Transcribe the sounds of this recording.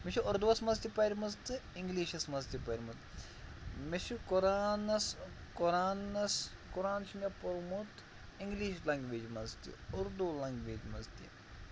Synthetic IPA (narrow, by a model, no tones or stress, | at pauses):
miʃiʊɾd̪uɐsmɐst̪ipɐɾʲmɐzt̪ɨiŋɡliːʃɐsmɐzt̪ipɐɾʲimut̪ | miʃikoɾaːnɐskoɾaːnɐskuɾaːnʃʰimʲɐpɐɾmut̪ | iŋɡliːʃlɐŋɡʋeːd͡ʒmɐzt̪ḭʊɾd̪ulɐŋɡʋeːd͡ʒmɐ̰zt̪ḭ